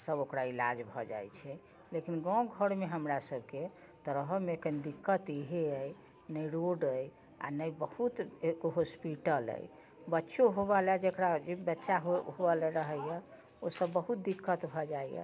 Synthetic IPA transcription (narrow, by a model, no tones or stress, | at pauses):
səbokɾailad͡ʒbʱɔd͡ʒa̰jt͡ʃʰɛ | lekinɡɔ̃ɡʱəɽmeɦəmɾasəbke | t̪əɾəɦəmekənd̪ikːət̪iɦeəj | nəjɾoɖəj | a̰nəjbəhut̪ɦospiʈələ̰j | bətːʃoɦobalad͡ʒekɾad͡ʒebətːʃaɦoɦobalɛɾəɦəjɛ | osəbːəɦut̪̚d̪ikːət̪bʱɔd͡ʒajjɛ̰